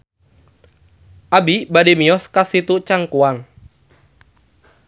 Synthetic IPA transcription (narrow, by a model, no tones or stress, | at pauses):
ʔabibadimiɔskasit̪ut͡ʃaŋkuan